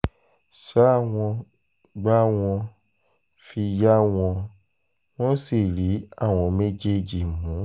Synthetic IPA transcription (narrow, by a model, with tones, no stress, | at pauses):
sa˨˦a˦˨w̃ɔ̃˧ | ɡ͡ba˦w̃ɔ̃˧ | fi˧ja˦w̃ɔ̃˧ | w̃ɔ̃˦si˨ɾi˨˦a˦˨w̃ɔ̃˧me˦d͡ʒe˦˨d͡ʒi˨mũ˨˦